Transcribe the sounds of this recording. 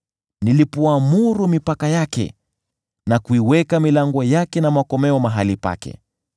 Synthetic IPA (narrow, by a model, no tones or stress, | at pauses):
nilipɔamuɾumipakajakɛ̰ | nakuiwɛkamilaŋɡɔjakɛnamakɔmɛɔmaɦalipa̰kɛ̰